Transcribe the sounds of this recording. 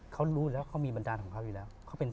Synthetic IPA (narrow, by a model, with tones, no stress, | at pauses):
kʰa˦˥wɾuː˦˥lɛː˦˥wkʰa˦˥wmiː˧ba˧ndaː˧nkʰɔː˩˦kʰa˦˥wjuː˨˩lɛː˦˥wkʰa˦˥wpe˧n